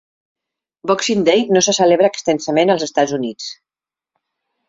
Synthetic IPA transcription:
bɔksind̪ejnosəsəleβɾəːkst̪ɛnsəmenəlˠzəst̪azunit͡s

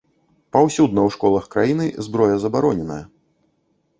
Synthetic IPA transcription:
pawsʲud̪nɐwʂkɔlˠɐxkɾajinɨzbɾɔjɐzɐbaɾɔnʲɛnɐ̰jɐ

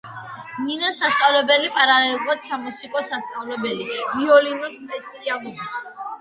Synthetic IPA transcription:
ninɔsast̪sʼavlɛbɛlipʼaɾaɛiqɔt̪sʰamɔsikʼɔsast̪sʼavlɛbɛliviɔlinɔspʼɛt̪sʰialˠubit̪ʰ

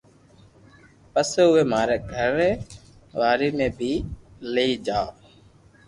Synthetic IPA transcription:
pəseːʊeːmaːɾeːɡʱəɾeː | ʋaːɾiːmẽːbʱiːleiːd͡ʒaːoː

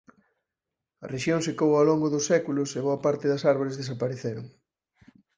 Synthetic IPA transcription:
ɐ̰reʃjoŋsekowaloŋɡʊðʊsːɛkulʊseβ̞oɐpaɾt̪ɪðɐsaɾβoɾezðesapaɾeθeɾʊŋ

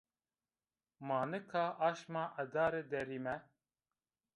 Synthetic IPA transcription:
mɑːnɨkʰaːʔaːʃmaːʔɐd̪aːɾed̪ɛɾiːmɛ

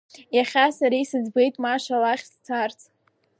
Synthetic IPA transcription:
jaχʲasaɾijsɨzbejtʼmaʂalaχʲst͡sʰart͡sʰʼ

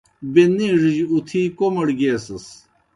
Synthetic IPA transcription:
beniʐiʑut̪ʰiːkomɐɽɡesɐs

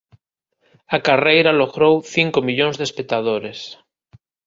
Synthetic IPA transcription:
akarejɾaloɣɾowθiŋkomiʎõŋzðespek̚t̪að̞oɾes

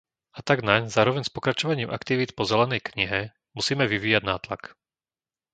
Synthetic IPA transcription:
at̪aɡnaɲzaːɾɔʋɛɲspɔkɾat͡ʃɔʋaɲiːmʔa̰kt̪iʋiːt̪pɔzɛlɛnɛjkɲiɦɛ | musiːmɛʋiʋiːjaɟnaːt̪la̰k

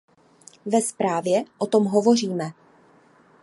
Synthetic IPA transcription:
vɛspɾaːvjɛʔot̪o̞mɦo̞vo̞r̝iːmɛ

